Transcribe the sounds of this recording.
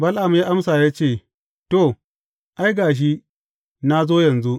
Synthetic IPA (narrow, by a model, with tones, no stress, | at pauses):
bɐ˦lʔa˨m˦jaː˦ʔa˦msaː˨ja˦t͡ʃeː˦˨ | to˦˨ | ʔa˦jɡaː˨ʃ̬i˦ | na˦zoː˦jɐ˨nzu˦ʔ